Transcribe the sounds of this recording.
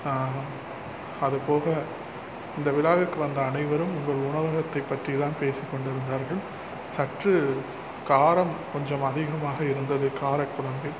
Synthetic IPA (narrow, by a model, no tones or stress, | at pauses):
aː | ɐðɯpoːɣɐ | ɪnd̪ɐʋɪlaːʋɪrkɯʋɐnd̪ɐːnɐɪʋɐɾɯmʊŋɡɐɭʊɳɐʋɐɣɐt̪ːɐɪpːɐʈrit̪aːnpeːsɪkːɔɳɖɪɾɯnd̪aːɾɣɐɭ | sɐʈrɯ | kaːɾɐmkɔɲd͡ʒɐmɐðɪɣɐmaːɣɐɪɾɯnd̪ɐðɯkaːɾɐkːʊɭɐmbɐɪ